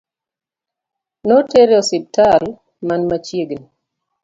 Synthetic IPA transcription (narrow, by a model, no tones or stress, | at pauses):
noteɾjɔsɪb̚tal | manmat͡ʃjeɡni